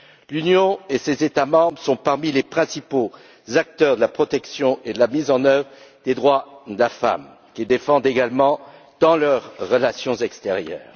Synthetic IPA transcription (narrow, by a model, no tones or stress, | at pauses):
lynjɔ̃esezet̪amɑ̃bʁəsɔ̃paʁmilepχɛ̃sipo | zak̚t̪œʁd̪əlapχɔt̪ɛksjɔ̃ʔed̪əlamizɑ̃nœvʁəd̪ed̪ʁwad̪əlafa̰m | kʲid̪efɑ̃d̪eɡalmɑ̃ | d̪̥ɑ̃lœʁːəlasjɔ̃zɛkst̪eʁjœ̰ːʁ